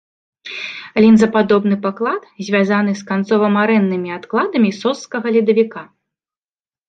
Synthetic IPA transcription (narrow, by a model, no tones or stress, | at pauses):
lʲind̪zɐpad̪ɔbn̪ɨpaklˠat̪zʲvʲazanɨskant̪sɔvɐmaɾɛnːɨmʲiat̪klˠad̪ɐmʲisɔskɐɣɐlʲid̪ɐvʲika